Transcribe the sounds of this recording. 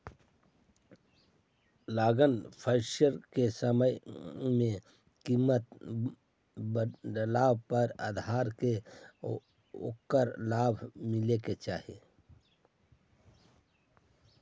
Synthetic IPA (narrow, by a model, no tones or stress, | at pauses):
laːɡənpʰəɾʃəɾkesəməjmẽ | kimət̪ | bdlaːbpəɾa̰ːd̪ʱaːɾke | o̰kːəɾlaːbʱmɪleket͡ʃaːɦe